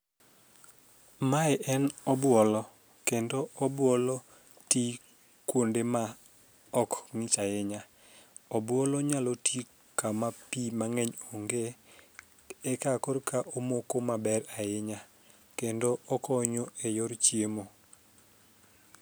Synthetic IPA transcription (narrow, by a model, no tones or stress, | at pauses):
maɛʔɛnɔbwɔlɔ | kendoɔbwɔlɔ | ti | kwondema | ɔkŋɪt͡ʃajɪɲa | ɔbwɔlɔɲalɔtʰi | kamapimaŋɛɲoŋɡe | ɛkakɔrkaʔomokomabɛɾaɪɲa | kendoʔɔkɔɲoejɔɾt͡ʃjemo